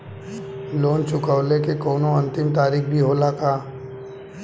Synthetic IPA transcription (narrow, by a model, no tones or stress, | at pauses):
loːnt͡ʃʊkəwlekekɔːnoɐ̃nt̪ɪmt̪aːɾiːkbʱiɦoːlakaː